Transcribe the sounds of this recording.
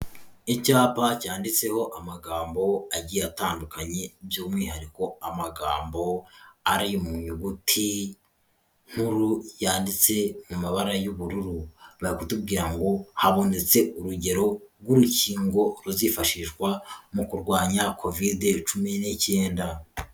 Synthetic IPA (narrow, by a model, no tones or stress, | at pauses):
icaːpacaːndit͡se̞ho̞ʔamaɡaːmbo̞aɟiataːndukaɲe̞bjoːmŋiːhaɾiko̞amaɡa̰ːmbo̞aɾijumuɲuɡutʰi | ŋ̥huɾujaːndit͡se̞mumaβaɾajuβuɾuɾuβajikutub̚ɡiːɾaŋɡo̞haβo̞ne̞t͡se̞uɾuɟe̞ɾo̞ɾɡuɾuciːŋɡo̞ɾuzifaʃiʃɡwamukuɾɡwaːɲakʰo̞videt͡ʃuminece̞ːnda